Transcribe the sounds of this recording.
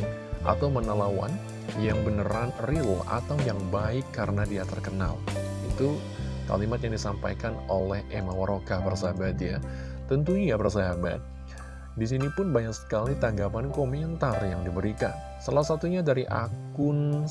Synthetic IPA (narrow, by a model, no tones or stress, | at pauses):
ʔa̰t̪awmənalawa̰n | jaŋbənəɾanrila̰t̪awjaŋbaɪkːaɾənadiat̪ərkəna̰lit̪u | ka̰limat̪jaŋdisampa̰jkanolɛhemawaɾokahbərsaabat̪̚ja̰ | t̪ːənt̪uɲijabərs̬aɦaba̰t̪̚ | dis̬inipʊnbaɲaksə̥kalit̪aŋɡapankomɛnt̪arjaŋdibəɾikan | salahsat̪uɲadaɾiʔak | ʊn